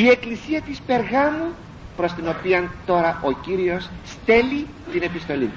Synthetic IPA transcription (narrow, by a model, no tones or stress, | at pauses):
ie̞klisiɐt̪ispe̞ɾɣɐmu | pɾo̞st̪ino̞piɐnt̪o̞ɾɐʔo̞ciɾio̞sːt̪e̞li | t̪ine̞pist̪o̞lḭ